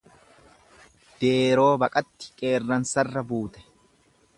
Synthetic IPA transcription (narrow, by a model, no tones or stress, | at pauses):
d̪̥e̞ːɾo̞ːbɐkʼɐt̪ːɪ̥kʼe̞ːrːɐnsɐrːɐbuːt̪ɛ̥